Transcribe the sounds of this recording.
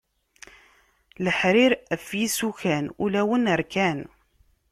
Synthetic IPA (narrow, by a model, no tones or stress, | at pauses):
ləħɾiɾæfjisuçænulæwənəɾkæn